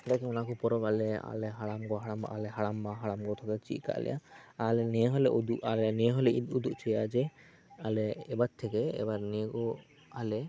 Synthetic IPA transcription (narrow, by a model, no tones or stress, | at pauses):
ɛt̪akɛɔnakɔpɔɾɔbalɛa̰lɛɦaɽamɡɔɦaɽamba̰ʔalɛɦaɽambaɦaɽamɡɔt̪ʰɔkɛt͡ʃḭʔ̪ka̰ʔlɛ̰ja̰alɛnɛɦɔlɛud̪uʔalɛnɛɦɔlɛid̪ud̪uʔt͡ʃʰɛjad͡ʒɛ | alɛːbat̪̚t̪ʰɛkɛɛ̰baɾnɛekɔ | alɛ